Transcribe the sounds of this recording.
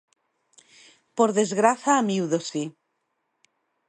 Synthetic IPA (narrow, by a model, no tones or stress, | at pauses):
poɾðezɣɾaθaːmiwðosi